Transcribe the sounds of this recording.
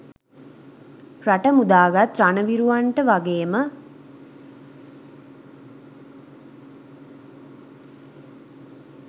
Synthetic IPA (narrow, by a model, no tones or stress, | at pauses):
raʈəmud̪aːɡat̪ranəʋiɾuʋaɳʈəʋaɡeːmə